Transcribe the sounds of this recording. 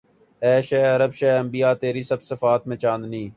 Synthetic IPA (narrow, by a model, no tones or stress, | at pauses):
ɛːʃɛːəɾəbʃɛːəmbijaːt̪eːɾiːsɐbsəfaːt̪mẽːt͡ʃãːnd̪nĩː